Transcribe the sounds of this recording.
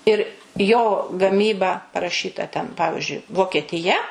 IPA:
ɪr joː ɡɐˈmʲiːbɐ pɐrɐˈʃʲiːtɐ tʲɛn ˈpɑːʋʲɪʒʲʊɪ ʋoːkʲiɛtʲɪˈjɛ

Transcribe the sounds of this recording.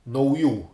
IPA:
nɐʊˈjuː

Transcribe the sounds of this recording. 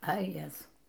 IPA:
ɐ ˈjæːzɐʊ

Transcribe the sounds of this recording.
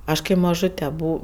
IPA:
ˈɐʃ kɐɪ mɐˈʒʊtʲɛ ˈbʊ

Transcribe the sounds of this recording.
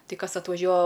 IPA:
ˈtɐɪ ˈkɐs ɐtʋɐˈʒʲuɔɐ

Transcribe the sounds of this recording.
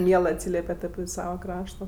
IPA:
ˈmʲiɛlˠɜ ɐtʲˈsʲiːlʲɛpʲɛt ɐpʲɪ ˈsɑːʋɐ ˈkrɑːʃtoː

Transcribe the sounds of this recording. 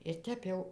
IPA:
ɪr ˈtʲɛp jɛʊ

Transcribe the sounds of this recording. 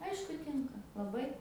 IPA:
ˈɐɪʃkʊ ˈtʲɪŋkɐ lˠɐˈbɐɪ

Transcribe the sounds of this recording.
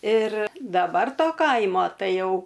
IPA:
ɪr dɐˈbɐr ˈtoː ˈkɐɪmoː ˈtɐɪ ˈjɛʊ

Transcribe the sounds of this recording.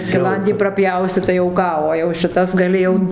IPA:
sʲkʲɪˈlˠɐnʲdʲiː prɐˈpʲjɛʊsʲɪ tɐɪ jɛʊ ˈkɑː oː jɛʊ ʃʲɪˈtɐs ɡɐˈlʲɪ jɛʊ

